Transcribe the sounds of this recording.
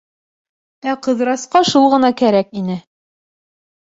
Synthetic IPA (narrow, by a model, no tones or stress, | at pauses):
æqɤ̆ðɾɑsqɑʃulˠʁɤ̆nɑkæɾækinɘ